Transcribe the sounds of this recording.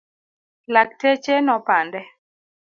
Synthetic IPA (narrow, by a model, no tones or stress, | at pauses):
lak̚tet͡ʃenɔpandɛ